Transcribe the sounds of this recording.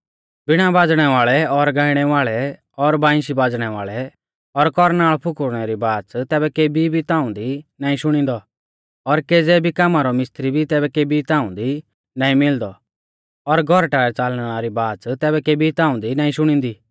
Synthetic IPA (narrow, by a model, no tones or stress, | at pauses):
bɪɽ̃abaːd͡zɽ̃ɛʋaːɭɛɔɾɡaːɪɽ̃ɛʋaːɭɛ | ɔɾbãːɪ̃ʃibaːd͡zɽ̃ɛʋaːɭɛ | ɔɾkɔɾnaːɭɔpʰʊkʊɾɽ̃ɛɾibaːt͡st̪ɛːbɛkeːbibʱit̪ãːʊ̃nd̪inaːĩʃʊɽ̃ĩːnd̪ɔ | ɔɾked͡zɛːbʱikamaɾɔmɪst̪ɾibʱit̪ɛːbɛkeːbit̪aːʊ̃nd̪i | nãːĩmɪld̪ɔ | ɔɾɡʱɔɾʈaːɛt͡saːl̃aːɾibaːt͡st̪ɛːbɛkeːbʱit̪ãːʊ̃nd̪inaːĩʃʊɽ̃ĩːnd̪i